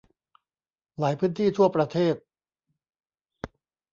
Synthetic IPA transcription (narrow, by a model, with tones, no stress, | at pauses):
laː˩˦jpʰɯː˦˥nt̪ʰiː˥˩t̪ʰu˥˩ɐpɾa˧t̪ʰeː˥˩t̪̚